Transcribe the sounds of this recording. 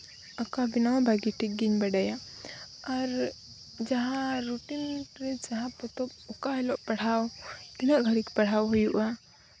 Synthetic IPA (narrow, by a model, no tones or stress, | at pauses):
akabinawbʱaɡiʈʰik̚ɡiɲbɛɖaja | aɾ | d͡ʒaɦãɾuʈinɾɛd͡ʒaɦãpɔt̪ɔp̚ɔkaɦɛlɔʔpaɽ̤awt̪inaʔɡʱəɽikpaɽ̤awɦujuʔa